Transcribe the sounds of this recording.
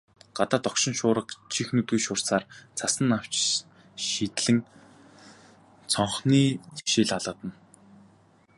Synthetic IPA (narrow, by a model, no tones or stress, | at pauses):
ɢ̥at̪aːt̪ɔkʃɪ̆nʃʊːɾə̆qt͡ɕʰixnɵt̪ɣujʃʊːr̥saːrt͡sʰasə̆nːaw̥t͡ɕ | ʃit̪ɮɘ̆ŋ | t͡sʰɔɴχniːʃiːɮaɮə̆t̪ə̆n